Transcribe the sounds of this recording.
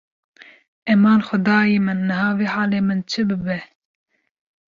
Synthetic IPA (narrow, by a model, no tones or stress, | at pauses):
ɛmɑːnxʊd̪ɑːjiːmɨnːɨɦɑːveːħɑːleːmɨnt͡ʃʰɨbɨbɛ